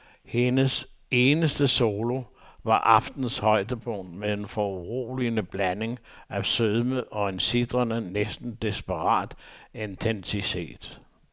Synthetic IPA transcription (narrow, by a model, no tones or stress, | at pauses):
he̝nəse̝ːnəsd̥əso̝ːlo̝ʋɑ̈ʔɑ̈fd̥n̩shɒ̽ɪ̰d̥əb̥ɔnmeðenfɒuʁo̰ːlinəb̥læne̝ŋæsøðˠməʔɒ̽ensid̥ʁɐnənesd̥n̩d̥isb̥əʁɑ̰̈ːd̥e̝nt͡sʰensit͡sʰe̝̰ːd̥